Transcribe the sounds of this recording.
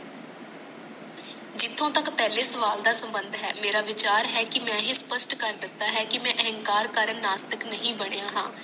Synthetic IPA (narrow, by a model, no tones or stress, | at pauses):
d͡ʒɪt̪ʰːõːt̪əkpɛːleːsəʋaːld̪aːsəmbənd̪ʱɦɛːmeːɾaːʋɪt͡ʃaːɾɦɛːkɪmɛ̃ːɦĩːspəsʈkəɾd̪ɪt̪ːaːɦɛːkɪmɛ̃ːʔəɦə̃ŋkaːɾkəɾənːaːst̪əknəɦĩːbəɽ̃ejaːɦãː